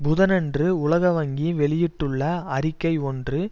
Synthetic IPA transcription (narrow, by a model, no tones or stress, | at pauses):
bʊðɐnɛndrɯʊɭɐɣɐʋɐŋɡiʋɛɭɪjɪʈːɯɭːɐɐɾɪkːɐɪɔndrɯ